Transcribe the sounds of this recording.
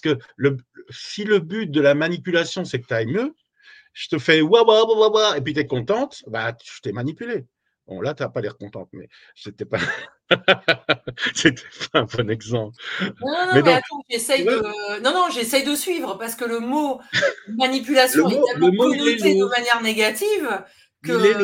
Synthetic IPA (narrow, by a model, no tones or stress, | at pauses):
pasə̥kə | ləsiləbyt̪̚d̪əlamanipylasjɔ̃sɛkə̥t̪yaɛmjø | ʒ̥ə̥t̪əfɛwawawawawaep̬ɥit̪yɛkɔ̃t̪ɑ̃t̪baʒə̥t̪ɛmanipyle | bɔ̰̃lat̪yapalɛʁkɔ̃t̪ɑ̃t̪mɛ̰ | set̪ɛpa | set̪ʰɛ̥paɛ̃bɔnɛɡzɑ̃pnɔ̃nɔmɛdɔ̃at̪ɑ̃ʒesɛjwnɔ̃nɔ̃ʒesɛjd̪əsɥivʁəpaʁsə̥kələmo | manipylasj̃moɛ̃ləmoied̪əmanjɛʁneɡat̪iv | kəilɛ